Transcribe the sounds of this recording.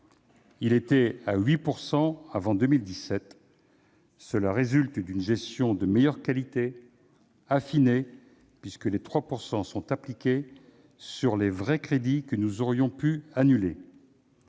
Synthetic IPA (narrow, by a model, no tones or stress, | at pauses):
ilet̪ɛaɥipuʁsɑ̃avɑ̃d̪əmild̪isɛt̪ | səlaʁezylt̪d̪ynʒɛst̪jɔ̃d̪əmɛjœʁkalit̪e | afine | pɥiskəlet̪χwapuʁsɑ̃sɔ̃t̪aplikʲe | syʁlevʁɛkχed̪ikənuzɔʁjɔ̃pyanyle